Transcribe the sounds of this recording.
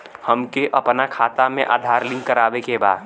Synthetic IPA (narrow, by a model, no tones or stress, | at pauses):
həmkeʔəpnakʰaːt̪amẽʔa̰ːd̪ʱaːɾlɪ̃ŋɡkːəɾaːʋekebaːd̪